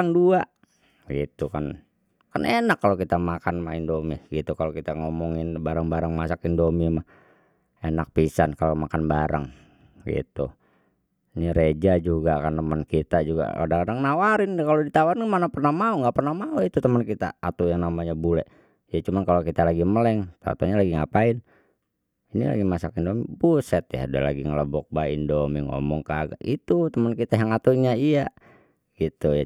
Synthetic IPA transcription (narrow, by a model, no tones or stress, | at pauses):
aŋdua | ɡḭt̪ukan | kanʔenakːalokit̪amakanmahindomiɡit̪ukalokit̪aŋɔmɔŋɪnbaɾaŋbaɾaŋmasakindomimah | enak̚pisankalomakanbaɾa̰ŋ | ɡḭt̪ṵ | niɾed͡ʒad͡ʒuɡakant̪əmənkit̪ad͡ʒuɡa̰a̰daŋadaŋnawaɾɪnkalodit̪awaŋamanapərnahmauŋɡaʔpərnahmauit̪ut̪əmənkit̪a̰at̪ujaŋnamaɲabulɛ | ijat͡ʃumankalokit̪alaɡiməlɛŋt̪a̰t̪o̰ɲalaɡiŋapain | inḭla̰ɡimasakindomibusɛt̪ja̰udɛ̰la̰ɡiŋələbɔk̚baḭndɔmiŋo̰mɔŋkaɡa̰ʔit̪ut̪əmənkit̪ajaŋat̪uɲaia | ɡit̪uja